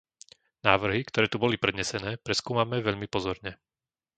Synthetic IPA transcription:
naːʋr̩ɦikt̪ɔɾɛːt̪ubɔlipɾɛd̪ɲɛsɛnɛːpɾɛskuːmamɛʋɛʎmipɔzɔɾɲɛ

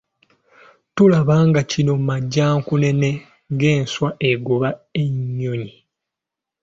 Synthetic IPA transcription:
tulaβaŋɡacino̞maɟːaːŋkune̞ne̞ | ŋɡe̞ːnswaʔeɡoβae̞ɲːoɲi

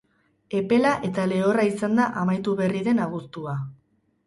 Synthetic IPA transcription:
e̞pe̞laʔe̞t̪ale̞o̞raisand̪aʔamajt̪uβe̞riðe̞naɣ̞ust̪ua

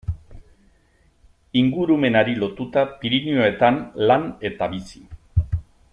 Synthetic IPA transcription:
iŋɡuɾume̞naɾilo̞t̪ut̪apiɾinio̞e̞t̪anlane̞t̪aβisi̥

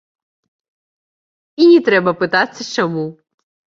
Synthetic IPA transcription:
inʲit̪ɾɛbɐpɨt̪at͡sʲːɐt͡ʃɔmu

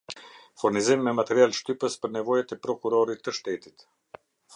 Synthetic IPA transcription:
fuɾnizimːɛmat̪ɛɾialʃt̪ypəspəɾnɛvɔjat̪ɛpɾɔkuɾɔɾit̪ːəʃt̪ɛt̪i̥t̪

